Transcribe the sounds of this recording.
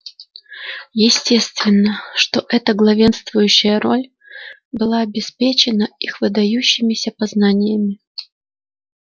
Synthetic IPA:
jɪsʲtʲe̞st̪vʲɪnːəʂt̪o̞ʔɛt̪əɡlˠɐvʲe̞nst̪vʊjʉɕːɪjəɾo̞lʲ | bɨlˠaɐbʲɪspʲet͡ɕɪnəixvɨd̪ɐjuɕːɪmʲɪsʲəpɐznanʲɪjəmʲɪ

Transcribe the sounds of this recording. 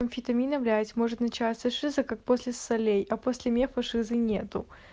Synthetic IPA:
ɐnʲfʲɪt̪ɐmʲinɐmlʲætʲmo̞ʐɨt̪nɐt͡ɕasəʂɨzɨkak̚posʲlʲɪsɐlʲejɐposʲlʲɪmʲefɐʂɨzɨnʲe̞t̪ʊ

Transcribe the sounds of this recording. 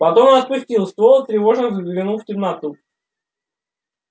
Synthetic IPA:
pɐt̪omnɐt̪̚pʊsʲtʲilˠst̪volˠt̪ɾʲɪvo̞ʐnəzəɡvʲɪnuftʲɪmnat̪u

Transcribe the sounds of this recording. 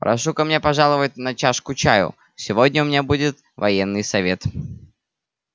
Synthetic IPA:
pɾʔɐ̰ʂukɐmnʲepɐʐɑlˠəvət̚ʲnɐt͡ɕaʂkʊt͡ɕajʊ̰ | sʲɪvodʲnʲəʊmʲɪnʲabudʲɪt̪ | vɐjenːɨjsɐvʲe̞t̪

